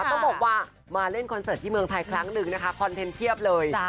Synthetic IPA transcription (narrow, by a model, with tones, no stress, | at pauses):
t̪ɔ˥˩bɔː˨˩k̚waː˥˩ | maː˧le˥˩nkʰnsaː˨˩t̪ʰːiː˥˩mɯ˧əŋt̪ʰa˧jkʰɾa˦˥ŋnɯ˨˩ŋna˦˥kʰa˦˥kʰɔ˧nt̪ʰe˧nt̪ʰi˥˩əp̚lɤː˧j